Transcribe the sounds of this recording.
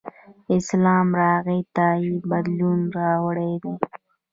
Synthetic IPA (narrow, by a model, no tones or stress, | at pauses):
ɪslɑːmɾɑːɣit̪ɑːibad̪lunɾɑːwəɽed̪eː